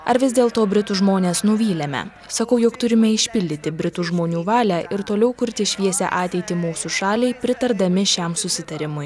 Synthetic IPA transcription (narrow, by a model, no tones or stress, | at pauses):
ɐɾʋʲɪzd̪ʲeːlˠt̪oːbʲɾʲɪt̪uʒmoːnʲeːsnʊʋʲiːlʲɛmʲɛ̰ | sɐkɐʊjoːkt̪ʊɾʲɪmʲɛɪʃʲpʲɪlʲd̪ʲɪt̪ʲɪbʲɾʲɪt̪uːʒmoːnʲuːʋɑːlʲæːʔɪɾt̪oːlʲɛʊkʊɾʲt̪ʲɪʃʲʋʲiɛsʲɛ̰ʔɑːt̪ʲɛɪt̪ʲɪmuːsuʃɑːlʲɛɪpʲɾʲɪt̪ɐɾd̪ɐmʲɪʃʲɛmsʊsʲɪt̪ɐɾʲɪmʊj